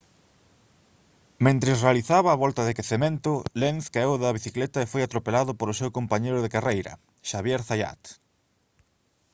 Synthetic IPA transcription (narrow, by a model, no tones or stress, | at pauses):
mẽnt̪ɾesrealiθaβaːβɔlt̪aðekeθemẽnt̪ʊlenθkaewðɐβ̞iθiklet̪aefojat̪ɾopelaðʊpoɾʊsewkompaɲejɾʊðekarejɾɐ̰ | ʃaβjeɾθaja̰t̪